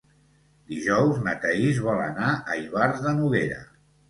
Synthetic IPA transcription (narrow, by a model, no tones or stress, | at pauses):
d̪iʒɔwznət̪əizβɔlə̰naəiβaɾzðənuɣeɾə̰